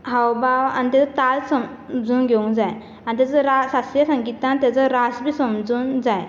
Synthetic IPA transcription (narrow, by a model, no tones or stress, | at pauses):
ɦawbaʋa̰nit̪̬at͡sɔt̪alsəm | d͡zuːnɡʱeũŋd͡zaj | anit̪̬at͡səɾasasjasə̃ŋɡit̪ãnt̪jat͡səɾasbisəmd͡zuːnd͡zaj